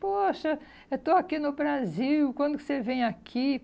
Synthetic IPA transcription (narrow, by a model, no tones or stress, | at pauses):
poʃɐ | et̪oakinʊbɾaziwkwɐ̃nd̪ʊkɪ̥sevẽj̃akʰi